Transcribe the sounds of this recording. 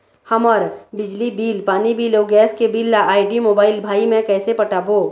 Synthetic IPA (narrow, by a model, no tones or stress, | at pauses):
həmɔɾbɪd͡ʒlibiːlpaːnibiːloːɡɛːskebiːlːaʔaːɪɖimoːbaːɪlbʱaːimẽkɛːsepəʈaːboː